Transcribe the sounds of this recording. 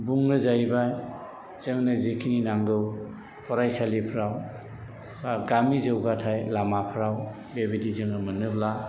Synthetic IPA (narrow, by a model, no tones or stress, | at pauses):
buŋnɯzajbaj | z̥ɯŋnazekʰininaŋɡɯw | pʰɔɾajsalipʰɾaw | baɡamizɯwɡatʰajlamapʰɾaw | bebidizɯŋɯmɯnɯbla